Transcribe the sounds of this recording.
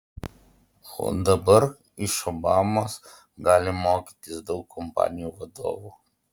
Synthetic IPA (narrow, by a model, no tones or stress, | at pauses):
o̰ːd̪ɐbɐɾ | ɪʃobɑːmos | ɡɑːlʲɪmoːkʲiːt̪ʲɪsd̪ɒʊkʰːɔmpɑ̰ːnʲɪjuːʋɐd̪o̰ːʋuː